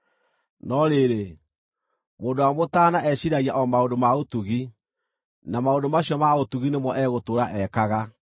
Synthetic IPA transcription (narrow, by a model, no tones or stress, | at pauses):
nɔɾeɾe | moːndowamotaːnaʔɛɕiɾaɣiaʔɔmaondomaotuɣi | namaondomaɕjɔmaotuɣinemɔʔɛɣotoɾaʔɛkaɣa